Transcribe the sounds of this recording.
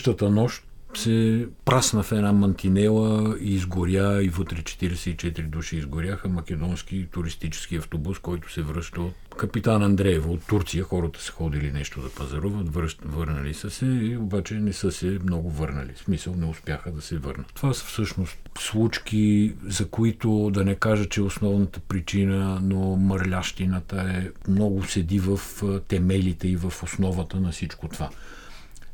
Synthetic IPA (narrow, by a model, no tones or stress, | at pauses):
ʃt̪ət̪ənɔʃt̪ | sɛpɾasnəfɛnamɐnt̪inɛlˠəiːzɡoɾjaivət̪ɾɛt͡ʃɛ̥t̪iɾɛsɛit͡ʃɛt̪iɾid̪uʃiːzɡoɾʲjaxəmɐk̟ʲɛd̪ɔnsk̟it̪ʊɾist̪it͡ʃɛ̥skiɐft̪obuskɔjt̪ʊ̥sɛvɾɤʃt̪əot̪ | kɐpit̪anɐnd̪ɾɛɛvot̪ːuɾt̪sijəxɔɾət̪ə̥sɛ̥xɔd̪ilinɛʃt̪od̪ɐpɐzɐɾuvət̪vɾvɤɾnəlisəsɛiobat͡ʃɛnɛsɤsɛmnɔɡʊvɤɾnə̰lḭsmisəlˠnɛʊspʲjaxəd̪ɐsɛvɤ̰ɾnət̪ːovasə̥fsɤʃnost̪slˠut͡ʃkʲizɐkoit̪od̪ɐnɛkaʒət͡ʃɛosnɔvnət̪əpɾit͡ʃinənomɐɾlʲaʃt̪inət̪əɛmnɔɡʊsɛd̪ivəft̪ɛmɛlit̪ɛivɐfosnɔvət̪ənɐfsit͡ʃkot̪ova